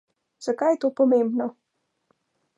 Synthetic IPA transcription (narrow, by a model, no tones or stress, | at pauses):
zɐkajt̪upɔmembnɔ